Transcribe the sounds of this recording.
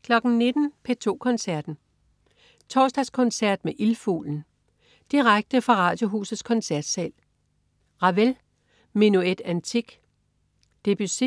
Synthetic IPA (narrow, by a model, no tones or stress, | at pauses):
kʰlɒ̽ɡ̥n̩ne̝d̥n̩pʰet͡sʰo̝̰ːkʰɒ̽nsæɐ̰d̥n̩ | t͡sʰɒːsd̥ɑskʰɔ̽nsæɐ̰d̥meʔilfṵːln̩ | d̥iʁaɡ̥̚d̥əfʁɑ̈ʁɑ̈ːd̥jo̝ɦṵːsð̩ˠskʰɒ̽nsæɐ̰d̥sɛ̰ːl | ʁɑ̈ʋel | menued̥ænt͡sʰiɡ̥ | d̥e̝b̥yse